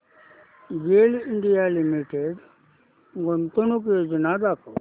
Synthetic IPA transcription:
ɡeːliɳɖijalimiʈeɖ | ɡont̪onuked͡ʒənad̪ak

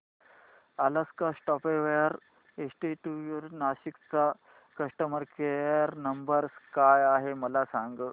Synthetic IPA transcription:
alaskasʈɔpeʋejəɾ | esʈiʈujuɾnaɕikt͡sa | kəʂʈəməɾkejəɾnəmbəɾskajaɦeməlasaŋɡ

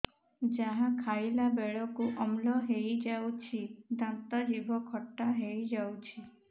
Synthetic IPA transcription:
d͡ʒaɦakʰajlabeɭɔkuʔɔmlɔɦejd͡ʒawt͡ʃʰid̪ãnt̪ad͡ʒibʱɔkʰɔʈːaɦejd͡ʒawt͡ʃʰi

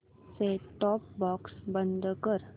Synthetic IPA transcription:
seʈɔːp̚bɔːksbə̃nd̪kəɾ

